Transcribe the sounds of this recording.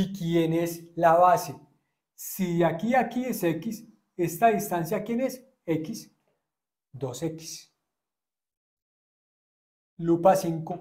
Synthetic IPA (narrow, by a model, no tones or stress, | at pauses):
ikjeneslaβase | siakiakiesekis | est̪aðist̪ansjakjenes | ekis | d̪oseki̥s | lupasiŋko